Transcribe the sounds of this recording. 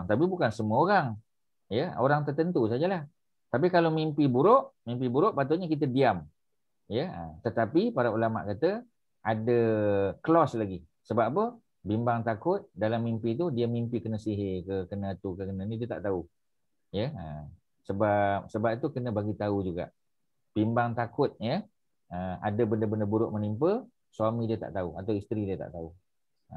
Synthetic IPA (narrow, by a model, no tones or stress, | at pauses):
ŋt̪apibukansəmuəoɾaŋ | jəoɾaŋt̪ərt̪ənt̪usad͡ʒalah | t̪ap̬ikalomimpibuɾoʔmimpibuɾʊʔpat̪̬ʊlɲəkit̪̬ədiam | jəə̰mt̪ət̪apipaɾaulama̰ʔkat̪ə | adəkəlɔslaɡi | səbapə | bimbaŋt̪akʊt̪̚dalamːimpit̪̬udiəmimpikənəsiɦekəkənə̃at̪ukəkənə̃nĩdiət̪a̰ʔt̪au | jəəm | səbap̚səbap̚it̪ukənə̃baɡit̪aud͡ʒuɡa̰ʔ | b̥imbaŋt̪akʊt̪̚jə | əa̰dəbəndəbəndəbuɾʊʔmənimpə | swamidiət̪a̰ʔt̪auat̪awist̪ɾidiət̪a̰ʔt̪au | ə